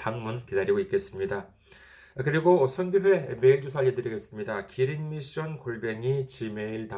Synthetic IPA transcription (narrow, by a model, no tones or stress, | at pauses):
taŋmunkidaɾiɡoik͈e̞s͈ɯmɲida | kɯɾiɡosʰʌnɡuɦwe̞me̞iɭd͡ʑosʰajedɯɾiɡe̞s͈ɯmɲidakiɾinmiɕ͈ʌnkoɭbe̞ŋit͡ɕime̞iɭta